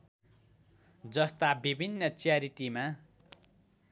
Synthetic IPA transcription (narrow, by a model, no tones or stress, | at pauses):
d͡zʌst̪abibʱinːʌt͡sjaɾiʈima